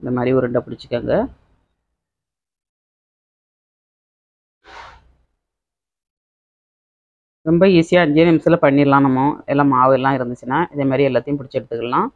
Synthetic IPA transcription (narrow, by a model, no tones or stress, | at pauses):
ɪnd̪ɐmaːd̪ɾiɔɾɯɯɳɖɐpʊɽɪt͡ʃːɯ̥kːaːŋɡɐ | ɾɔmbɐiːsɪjaːɪɲd͡ʒɐjɐʋɛmɐsɪlɐpɐɳːiɾlãːnɐmːõɛlːãːmaːʋɐɛlːãːɪɾɯnd̪ɯt͡ʃːɪnːaːʔɪðɐmaːd̪ɾiɛlːaːt̪ːɐjʊ̃p̬ʊɽɪt͡ʃːɛɽɯt̪ːɯkːɐɭlãː